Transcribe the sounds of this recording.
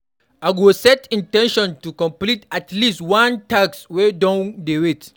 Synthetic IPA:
ʔaɡosɛtĩntɛ̃nʃɔ̃ntukɔ̃mplitatlistwãntakswɛdɔ̃ndewet

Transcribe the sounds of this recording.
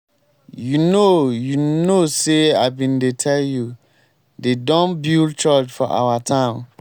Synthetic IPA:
junojunoseabĩndetʰɛlju | dedɔ̃nbildt͡ʃɔt͡ʃfɔʔa̰watʰãɪn

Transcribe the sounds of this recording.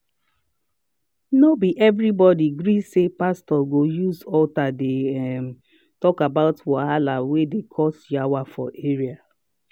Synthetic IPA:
nobiʔɛvɹibɔdiɡɹisepastɔɡojuzɔltadeɛm | tɔkabaʊtwaɦalawedekʰɔsjawafɔ̰ʔeɹia

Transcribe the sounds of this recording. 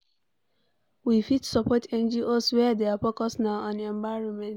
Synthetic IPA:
wifitsɔpɔtɛ̃nd͡ʒiʔoswɛadeapɔkɔsnaʊãnɛ̃ɱvaɪɹɔ̃nmɛ̃nt

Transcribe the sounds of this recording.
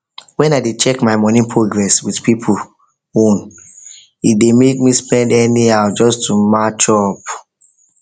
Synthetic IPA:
wɛ̃naɪdet͡ʃɛkmaɪmɔnĩnpʰɹoɡɹɛswidpʰipʰul | õn | idemek̚mispɛ̃ndɛniaʊd͡ʒɔstʰumat͡ʃɔp

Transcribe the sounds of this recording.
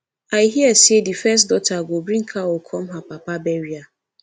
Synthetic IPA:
aɪɦiasedifɛstdɔtʰaɡobɾĩŋ̩kʰawɔkʰɔmɦapapabɛɾia

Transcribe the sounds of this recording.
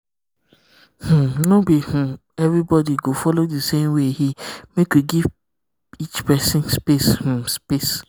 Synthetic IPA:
h̩nobihũ | ɛvɾibɔdiɡofɔlodisemweɦimekwiɡiv | it͡ʃpɛsɪ̃nspeshũspes

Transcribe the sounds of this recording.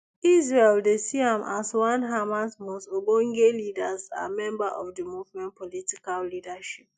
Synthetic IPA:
is̬ɹeldesiãmʔaswãnɦamasmɔstobõŋɡelidaza̰mɛ̃mbaʔɔfdəmuvmɛ̃npɔlitikalːidaʃip̚

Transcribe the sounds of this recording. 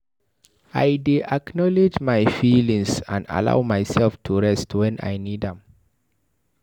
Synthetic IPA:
ajdiʔaknɔled͡ʒmajfilĩŋsã̰nda̰la̰ʊmajsɛlftʰuɹɛstwɛ̃na̰jnidɛ̃m

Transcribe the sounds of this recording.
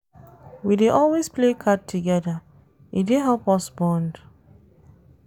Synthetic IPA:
wideʔɔlwesplekʰad̚tʰːuɡɛda | ideɦɛlpɔsbɔ̃nd

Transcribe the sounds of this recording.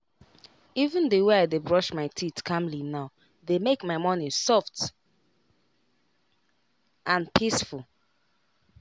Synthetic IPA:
ivə̃ndəweaɪdebɹɔʃmaɪtʰitkʰãmlinaʊ | demekmaɪmɔnisɔft | ʔãnpʰisfulˠ

